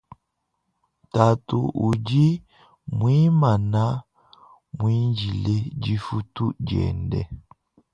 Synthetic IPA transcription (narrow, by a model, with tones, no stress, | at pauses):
ta˨tu˨ʔu˨d͡ʒi˦ | mwi˦ma˨na˦ | mwi˦nd͡ʒi˨le˦d͡ʒi˦fu˦tu˦d͡ʒɛ̰˨ndɛ̰˦